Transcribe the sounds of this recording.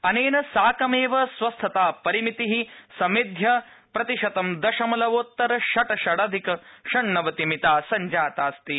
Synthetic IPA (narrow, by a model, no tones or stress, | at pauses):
ɐneːnɐsaːkɐmeːʋɐsʋɐst̪ʰɐt̪aːpɐɾimit̪iɦisɐmid̪ʱjɐ | pɾɐt̪iʃɐt̪ɐmd̪ɐʃɐmɐlɐʋoːt̪ːɐɾɐʃɐʈɐʃɐɽɐd̪ʱikɐʃɐɳːɐʋɐt̪imit̪aːsɐɲd͡ʒaːt̪aːst̪i